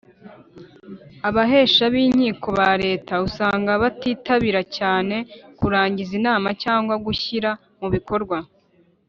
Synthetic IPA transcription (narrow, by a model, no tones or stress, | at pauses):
aβaɦe̞ːʃaβiːɲiːkʰo̞βaɾe̞ːtausaːŋɡaβatiːtaβiɾacaːne̞kuɾaːɲɟizinaːmacaːŋɡwaɡuçiɾa | muβiko̞ɾɡwa